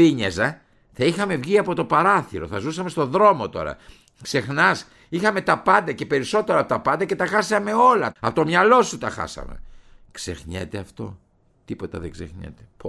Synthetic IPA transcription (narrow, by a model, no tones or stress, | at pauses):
iɲezɐ | θɐixɐme̞vʝiɐpo̞t̪o̞pɐɾɐθiɾo̞θɐzusɐme̞st̪o̞ðɾo̞mo̞t̪o̞̰ɾɐ̰ | kse̞xnɐs | ixɐme̞t̪ɐpɐnd̪ɐce̞pe̞ɾiso̞t̪eɾɐːpot̪ɐpɐnd̪ɐce̞t̪ɐxɐsɐme̞o̞lɐɐpot̪o̞mɲɐlo̞sut̪ɐxɐ̰sɐ̰mḛkse̞̰xɲḛt̪eɐft̪o̞̰ | t̪ipo̞t̪ɐ̰ðeɡzsexɲḛt̪e̥p